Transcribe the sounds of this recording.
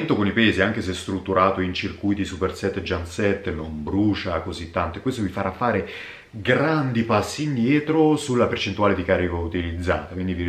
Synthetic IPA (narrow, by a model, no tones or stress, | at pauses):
nt̪okonipɛːziaŋkeseɛst̪ɾut̪ːuɾaːt̪oint͡ʃirkujt̪isupersɛt̪ːd͡ʒansɛt̪ːnombɾuːt͡ʃakozit̪ːant̪oekwest̪ovifaɾʔafːaːɾe | ɡɾand̪ipasːiːnd̪jɛːt̪ɾosulːapert͡ʃent̪uaːled̪ikaɾikaut̪ilid̪zːa̰ːt̪akwind̪ivi